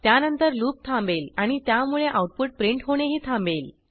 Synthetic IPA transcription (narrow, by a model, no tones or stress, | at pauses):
t̪janənt̪əɾluːp̚t̪ʰãmbelaɽ̃it̪jamuɭeʔawʈ̚puʈ̚pɾeɳʈɦoɽ̃eɦiːt̪ʰãmbel